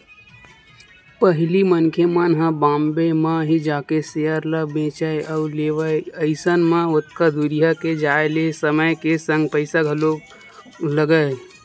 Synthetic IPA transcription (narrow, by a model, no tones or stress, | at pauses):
pəɦlimənkʰemanɦə̃bãːmbemãɦid͡ʒaːkesejəɾləbẽːt͡ʃəeəʊleːʋəəɪsənmãʊt̪kad̪uɾijaked͡ʒaːelesəməjkesə̃ŋɡ̚pəɪsaɡʱəlo | ləɡəe